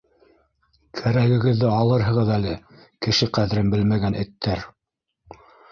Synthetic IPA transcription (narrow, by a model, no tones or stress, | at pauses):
kʰæɾæɡɘ̆ɡɘ̆ðːɘɑlˠɤɾɦɤ̆ʁɤðælɘ | kɘ̆ʃɘqæðɘ̆ɾɘmbɘlmæɡænɘ̆t̪ʰːæɾ